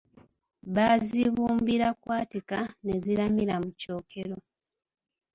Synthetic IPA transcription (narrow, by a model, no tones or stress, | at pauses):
βaziβuːmbiɾakwaːtikane̞zilamiɾamuco̞ːkʰe̞ɾo̞